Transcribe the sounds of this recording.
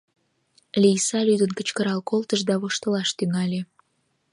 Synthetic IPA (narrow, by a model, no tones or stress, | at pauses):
lʲijsɑlʲyd̪ənkə̥t͡ɕkəɾɑlkolˠt̪əʃd̪ɑβoʃt̪ə̆lɑʃt̪yŋɑlʲe